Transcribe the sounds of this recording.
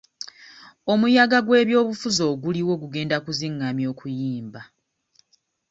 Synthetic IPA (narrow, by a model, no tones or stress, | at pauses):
o̞mujaɡaɡwe̞ːβjo̞ːβufuzo̞ːɡuliwo̞ːɡuɡe̞ːndakuziŋːamjo̞ːkʰujiːmba